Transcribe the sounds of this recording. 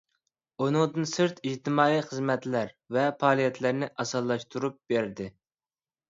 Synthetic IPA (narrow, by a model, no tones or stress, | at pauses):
unɨŋd̪ɨnsɨɾt̪iʒt̪ɪmɑːiχəzmɛt̪læɾ | vɛpʰɑːlˠijɛt̪ʰlæɾnɪʔɑsɑlˠːɑʃt̪ʰuɾup̚beɾd̪ɪ